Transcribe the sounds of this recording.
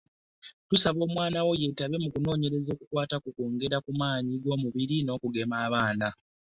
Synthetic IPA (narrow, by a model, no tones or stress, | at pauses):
tusaβo̞ːmwaːnawo̞je̞taβe̞mukuno̞ːɲe̞ɾe̞zo̞ːkukwaːtakukoːŋɡe̞ɾakumaːɲiɡo̞ːmuβiɾino̞ːkuɡe̞maːβaːna